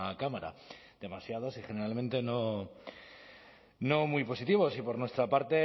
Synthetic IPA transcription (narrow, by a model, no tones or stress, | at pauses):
akamaɾa̰d̪̥e̞masjað̞osixe̞ne̞ɾalmẽ̞nt̪e̞no̞ | no̞mujpo̞sit̪iβ̞o̞sipo̞ɾnwest̪ɾapaɾt̪e̞